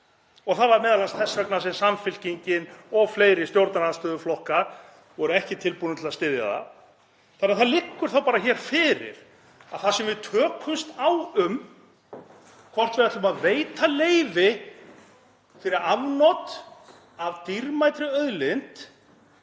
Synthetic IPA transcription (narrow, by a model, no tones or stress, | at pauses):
ɔɣθaðvaɾmɛːðalanst̪θɛsœknas̬ɛmsamfɪlciɲcɪnɔɣfleːjɾɪ̥st̪jowɾt̪naɾanst̪œːðʏflɔhkaɾ | vɔɾʏɛhcɪt̪ʰɪlpunʏt̪ʰɪlast̪ɪðja̰ða̰ | θanːaθaðlɪkːʏɾ̥θawpaːɾaçɛɾ̥fɪːɾɪ̰ɾ̥ | a̰ðθasɛmvɪðt̪ʰœːkʰʏmst̪awʏm | kʰvɔr̥t̪vɪɾaht̪lʏmaðveːjt̪ʰaleːjvɪ | fɪɾɪɾavnɔt̪ | avt̪iɾmajt̪ɾʏœðlɪnt̪